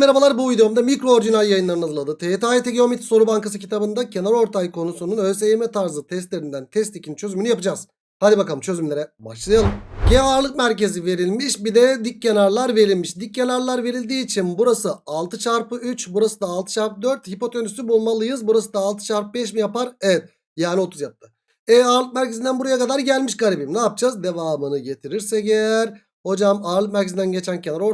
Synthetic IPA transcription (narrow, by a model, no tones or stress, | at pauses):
meabalˠaɾbuujd̪oomd̪amicɾo̞oɾd͡ʒinaljajɯnˠaɾɯnazɯlˠad̪ɯt̪ʰeet̪aːjt̪ʰeɟeomit̪ʰso̞ɾubaŋkas̬ɯcʰit̪ʰabɯnd̪acʰe̞næɾo̞ɾt̪ʰajkʰo̞nusununøsejmɛt̪ʰaɾzɯt̪ʰɛst̪lʲeɾind̪ænt̪ʰɛst̪ʰicʰint͡ʃʰø̞zymynyjapɯd͡ʒaz | had̪ʲibakalˠɯmt͡ʃʰø̞zymlʲe̞ɾɛbaʃlˠajalˠɯmɟeːɾlˠɯk̚mæɾce̞zive̞ɾilʲmiʃbid̪ɛd̪icːenaɾlˠaɾve̞ɾilʲmiʃd̪icːenaɾlˠaɾve̞ɾilʲd̪iːt͡ʃʰinbuɾasɯalˠt̪ʰɯt͡ʃʰaɾpɯyt͡ʃbuɾasɯd̪aːlˠt̪ʰɯ̥t͡ʃʰaɾpɯd̪øɾt̪hipo̞t̪ʰønysybulˠmalˠɯjɯzbuɾasɯd̪aːlˠt̪ʰɯ̥t͡ʃʰaɾpɯbɛʃ̬mijapaɾevɛt̪̚ | jaːnio̞t̪ʰuzjap̚t̪ʰɯ | ɛaːɾlɯk̚mæɾcʰe̞zind̪ænbuɾajakad̪aɾɟælʲmiʃɡaɾʲibimnaːp̚d͡ʒazd̪e̞vaːmɯnɯɟe̞t̪ʰiɾiɾsɛɟeæɾ | ho̞d͡ʒamaːɾlˠɯk̚mæɾcʰe̞znd̪ænɟet͡ʃʰæncʰe̞naɾo̞ɾ